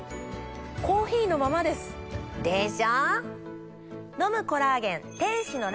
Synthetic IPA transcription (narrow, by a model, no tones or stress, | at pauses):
ko̞ːçiːno̞mamad̪e̞sɨ̥d̪eʑa | no̞mɯ̟ko̞ɾaːɡẽ̞nt̪ẽ̞ɰ̃ɕino̞ɾ